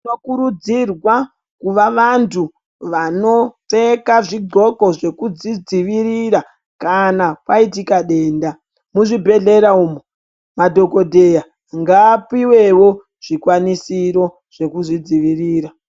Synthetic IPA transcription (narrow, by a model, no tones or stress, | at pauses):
okuɾud͡zirwa | kuʋaʋantʰu | ʋano̞tekaʐiɡʱo̞ko̞ʐe̞kud͡zid͡ziʋiɾiɾa | kanapwaitikaɗe̞ːnda | muʐibʱe̞ɮe̞ɾauːmo | madʱo̞ko̞dʱe̞ja | ŋɡaːpiwe̞wo̞ | ʐ̥ikwanisiɾo̞ | ʐ̥e̞kuʐid͡ziʋiriːɾa